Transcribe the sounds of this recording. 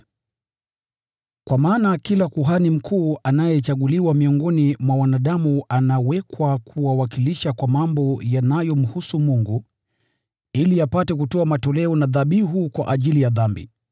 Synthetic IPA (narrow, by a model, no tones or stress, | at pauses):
kwamaːnakilakuɦanim̩kʰuːanajɛt͡ʃaɠuliwamiɔŋɡɔnimwawanaɗamuanawɛkwakʰuwawakiliʃakwamambɔjanajɔm̩husumuŋɡu | iliapatɛk̬utɔamatɔlɛɔnaðaɓiɦukwa̰ʔaʄilijaðambḭ